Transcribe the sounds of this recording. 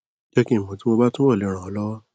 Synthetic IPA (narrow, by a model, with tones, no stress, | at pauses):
je˧kĩ˧˨mo˨˦ti˨˦mo˧ba˦tũ˦wɔ˦˨le˧˦ɾ̃ã˨ɔ˨˦lɔ˦